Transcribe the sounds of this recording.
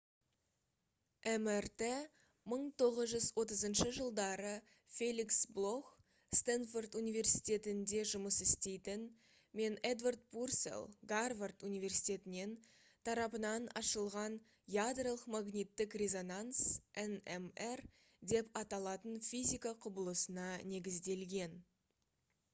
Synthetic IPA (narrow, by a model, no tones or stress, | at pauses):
ʔemert̪e | məɴt̪ʰo̞ʁəzʒʏzwo̞t̪əzənʃəʒəlˠd̪ɑɾə | fʲelʲiksblˠo̞x | st̪anfort̪unijvʲe̞rsi̥jt̪ʲe̞t̪ɪnd̪e̞ʒʊməsɪst̪e̞jt̪ɪn | me̞ned̪vard̪̚pursḛlˠɡarvart̪unijvʲe̞rsijt̪e̞t̪ɪne̞n | t̪ʰɑɾɑpənɑnɑ̰ʃəlˠʁɑn | jad̪ralˠəqmaɡnʲijt̪ːɪkrʲe̞zo̞nansʔenemer | d̪e̞pɑt̪ɑlˠɑt̪ənfʲijzʲijkaqʰʊbəlˠəsənɑne̞ɡʲɪzd̪e̞lɡʲe̞n